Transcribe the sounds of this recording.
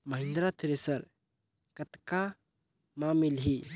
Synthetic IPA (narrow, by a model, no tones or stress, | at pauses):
məɦind̪ɾat̪ʰɛɾɛsəɾ | kət̪ka | mamilɦi